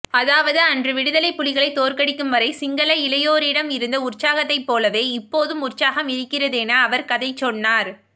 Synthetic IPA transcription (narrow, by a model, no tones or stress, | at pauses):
ɐðaːʋɐðɯɐndrɯʋɪɽɯðɐlɐɪpːʊlɪɣɐɭɐɪt̪ːoːɾkɐɽɪkːɯmʋɐɾɐɪsɪŋɡɐlɐɪlɐjoːɾɪɽɐmɪɾɯnd̪ɐʊrt͡ʃaːɣɐt̪ːɐɪpːoːlɐʋeːɪpːoːðɯmʊrt͡ʃaːɣɐmɪɾɯkːɪrɐðenɐːʋɐɾkɐðɐɪt͡ʃɔnːaːɾ